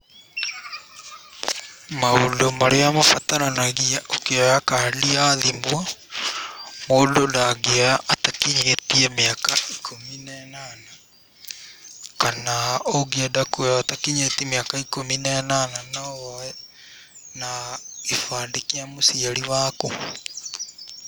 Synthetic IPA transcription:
maodomaɾeamafatananaɣiaʔokeajakaliaðimwa | moːdonaɣeajaʔatakiɲetiɛmeakaikʰominɛnana | kanaoɡiadakuatakiɲetimeakaikominanananawɛ | naifaːndekiamosiaɾiwaːku

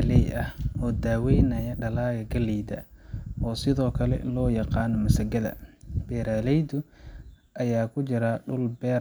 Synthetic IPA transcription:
lɛjɐhʔɔːd̪aːwɛjnɐjɐɖɐlaːɣɐɡɐlɛːd̪ɐ̰ʔɔːsɪðɔːkʰɐlɛ̰ʔlɔːjɑqɑːnɔmɐsɐɡɐðɐ̰b̥ɛːɾaːlɛjd̪ʊ | ʔɐjaːkʰʊt͡ʃɪɾaɖʊlbɛːɾ

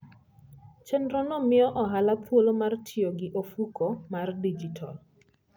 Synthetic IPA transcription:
t͡ʃɛnɾɔnɔmɪɔʔɔɦalapʰwolomartʰioɡɪʔofukomardid͡ʒitʰɔ̰l

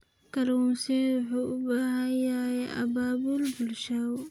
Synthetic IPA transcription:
kʰɐlunsɛwʊħuːʊbaːhɐjajɛʔɐ̰baːbʊlbʊlʃaw

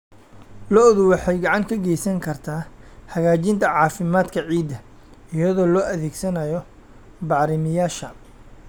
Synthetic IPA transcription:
lɔʔðʊwɑħɑjɡɑʕɑŋkʰɐɡɛjsɐŋkʰɐrt̪ʰaːhɐɣaːt͡ʃɪnt̪ʰɐʕɑːfɪmaːd̪kʰɐʕiːd̪ɐ | ɪjɐðɔːlɔːʔɐðɛːɡsɐnɐjɔ | bɑʕɾɪmɪjaːʃɐ

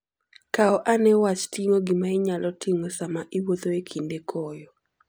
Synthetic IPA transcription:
kaɔʔanɛwat͡ʃtiŋoɡɪmaɪɲalɔtʰiŋosamaʔiwoðoekʰindekʰɔjɔ

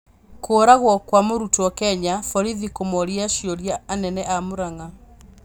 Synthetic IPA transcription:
koɾaɣwɔkwamoɾutwɔkɛɲafɔɾiðikomɔɾiaʃijɔɾjaːnɛnɛʔamoɾaŋa

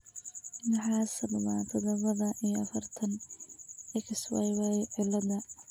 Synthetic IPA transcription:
nɐħɑːsɐbɐma̰ːt̪ʰɐd̪ɐβɐðɐʔijɔɐfɐrt̪ʰɐn | ɪkɪswɛ̰jwɛjʕɪlɐdɐ

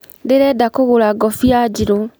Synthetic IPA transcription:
deɾɛdakoɣoɾaɡɔfiad͡ʒiɾo

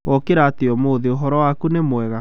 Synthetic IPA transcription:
ʔɔkeɾaːteɔmoːðeoɦɔɾɔwakunemwɛɣa

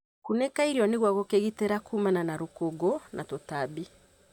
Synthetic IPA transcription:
kunekaiɾiɔneɣwaɣokeɣiteɾakumananaɾokoɡonʔatotabi

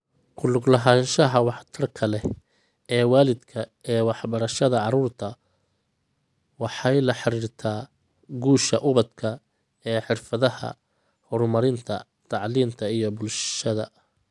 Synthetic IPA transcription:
kʰʊlʊɡlɐɦaːnʃɐɦɐwɑħt̪ʰɐrkʰɐlɛ | ɛːwaːlɪd̪kʰɐɛːwɑħbɐɾɐʃɐðɐʕɑɾuːrt̪ʰɐ | wɑħɑjlɐħɑɾiːrt̪ʰaː | ɡuːʃɐʔʊβɐd̪kʰɐ | ɛːħɪrfɐðɐhɐ̰ | hɔɾmɐɾɪnt̪ʰɐ̰ | t̪ʰɑʕliːnt̪ʰɐijɞbʊlʃʃɐðɐ̰

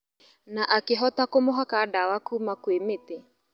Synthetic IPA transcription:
naʔakeɦɔtakomoɦakadawakuːmakwemete

